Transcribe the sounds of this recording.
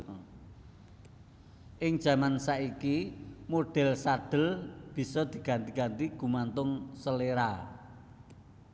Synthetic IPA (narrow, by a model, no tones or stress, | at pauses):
ʔɪŋd̥ʒ̥a̤mansaʔikimoɖ̥ɛ̤lsaɖ̪̥ə̤lb̥i̤sɔd̪̥i̤ɡ̥a̤nt̪iɡ̥a̤nt̪iɡ̥ṳmant̪ʊŋsəleɾa